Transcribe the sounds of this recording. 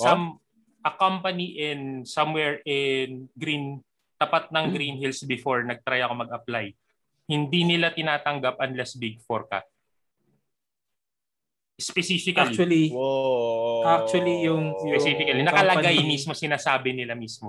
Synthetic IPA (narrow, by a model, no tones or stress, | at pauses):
sɐm | ʔɐkampɐniʔɛnsɐmwɛɹʔɛnɡɾin | t̪ɐpat̪̚nɐŋɡɾinhilsbɪfoɹnɐɡ̚t̪ɾajɐko̞mɐɡɐplaj | hɪnd̪inɪlat̪ɪnaːt̪ɐŋɡap̚ʔɐnlɛsbiɡ̚fɔɹka̰t̪̚ | spɛsiːfɪklliɐlio | ak̚t͡ʃwɐlijʊŋjpɛsiːfɪkɐlinɐkɐlɐɡajmiːsmo̞sɪnaːsaːbɪnɪlamiːsmo